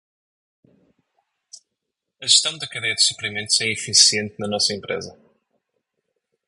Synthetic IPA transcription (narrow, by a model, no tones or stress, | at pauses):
ɐʒɨʃt̪ɐ̃w̃d̪ɐkɐðejɐd̪ɨsupɾimẽnt̪uzɛifisiẽnt̪nɐnɔsɐẽmpɾḛzɐ